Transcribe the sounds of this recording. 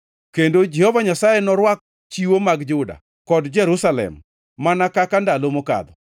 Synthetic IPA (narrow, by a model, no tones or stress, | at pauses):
kendod͡ʒɛhɔvaɲasajenɔɾwak̚ | t͡ʃiwomaɡd͡ʒʊda̰ | kɔdd͡ʒɛɾusalɛ̰mː | anakakandalomoka̰d̪ɔ